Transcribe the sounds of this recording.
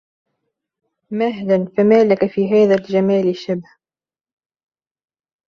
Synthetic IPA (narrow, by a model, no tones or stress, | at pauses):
mahlanfamaːlakafiːɦaːðald͡ʒamaːlɪʃːabh